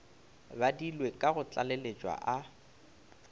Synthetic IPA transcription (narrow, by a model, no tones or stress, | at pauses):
badilwekʼaɣʊt͡ɬʼalelet͡ʃʼwa̰ʔa